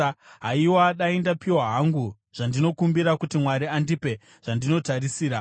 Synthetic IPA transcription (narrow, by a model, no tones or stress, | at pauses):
ɦaiwaɗaendapiwaɦaŋɡu | ʐ̥andino̞kumbiɾakutimwaɾiandipe̞ | ʐ̥andino̞tarisiːɾa